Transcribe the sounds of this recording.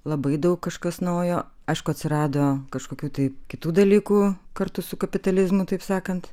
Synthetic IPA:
lˠɐbɐɪd̪ɐʊkkːɐʃkɐsnɐʊjoː | ɐɪʃkʊɐt̪ʲsʲɪɾɑːd̪oːkɐʃkoːkʲuːt̪ɐɪpkʲɪt̪uːd̪ɐlʲiːkuːkɐrt̪ʊsʊkɐpʲɪt̪ɐlʲɪzmʊt̪ɐɪpsɑːkɐnt̪

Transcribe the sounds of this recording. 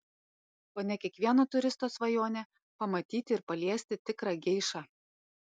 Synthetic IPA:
poːnʲɛkʲiɛkʋʲiɛnot̪ʊɾʲɪst̪oːsʋɐjoːnʲɛ | pɐmɐt̪ʲiːt̪ʲɪɪɾpɐlʲiɛsʲt̪ʲɪt̪ʲɪkɾɑɡʲɛɪʃɑː

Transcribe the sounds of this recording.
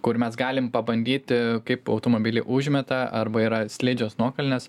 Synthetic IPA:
kʊɾmʲɛsɡɑːlʲɪmpɐbɐnʲd̪ʲiːt̪ʲkɐɪpɐʊt̪oːmoːbʲɪlʲɪʔʊʒʲmʲɛt̪ɐɐrbɐiːɾɐsʲlʲeːd͡ʒʲoːsnuɔkɐlʲnʲɛs

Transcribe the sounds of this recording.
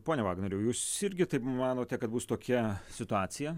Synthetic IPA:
poːnʲɛʋɑːɡnɐɾʲɛʊjuːsɪɾʲɡʲɪt̪ɐɪpmɑːnoːt̪ʲɛkɐt̪buːst̪oːkʲɛsʲɪt̪ʊɑːsʲɪjɛ

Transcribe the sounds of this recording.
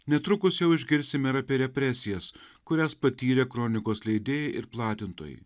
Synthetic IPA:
nʲɛt̪ɾʊkʊsjɛʊɪʒʲɡʲɪɾʲsʲɪmʲɪɾɐːpʲeːɾʲɛpʲɾʲɛsʲɪjɛskʊɾʲæspɐt̪ʲiːɾʲekɾɔːnʲɪkoːslʲɛɪd̪ʲeːjɛʔɪɾplˠɑːt̪ʲɪnt̪o̰ːjḭ

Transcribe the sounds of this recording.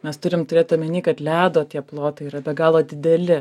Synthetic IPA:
mʲɛst̪ʊɾʲɪmt̪ʊɾʲeːt̪ɐmʲɛnʲiːkɐt̪lʲæːd̪oːt̪ʲiɛplˠoːt̪ɐɪiːɾɐbʲɛɡɑːlˠoːd̪ʲɪd̪ʲɛlʲɪ

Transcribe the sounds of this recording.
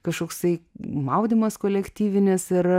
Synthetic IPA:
kɐʃkoːkst̪ɐɪmɐʊd̪ʲimɐskoːlʲɛkt̪ʲiːʋʲɪnʲɪsɪr

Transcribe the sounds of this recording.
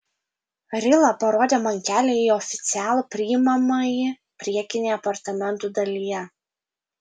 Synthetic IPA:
ɾʲɪlˠɐpɐɾoːd̪ʲeːmɐŋʲkʲæːlʲeiɔfʲɪ̥t̪sʲɪæːlˠupʲɾʲɪɪmɐmɐjɪ | pʲɾʲiɛkʲɪnʲejɐpɐɾt̪ɐmʲɛnˑt̪ud̪ɐlʲijɛ

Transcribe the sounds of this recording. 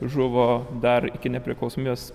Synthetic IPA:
ʒʊʋoːd̪ɐɾɪkʲɪnʲɛpʲɾʲɪklˠɐʊsoːmʲios

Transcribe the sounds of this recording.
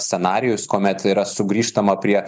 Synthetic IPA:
sʲsʲɛnɑːɾʲɪjʊskoːmʲɛt̪ɪːɾɐsʊɡɾʲiːʃt̪ɐmɐpʲɾʲiɛ

